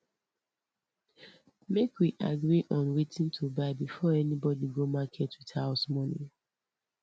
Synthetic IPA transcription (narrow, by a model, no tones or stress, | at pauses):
mekwiʔaɡɹiʔɔ̃nwetʰĩntʰubaɪbifɔɛnibɔdiɡomakʰɛtwiðhaʊsmɔnḭ̃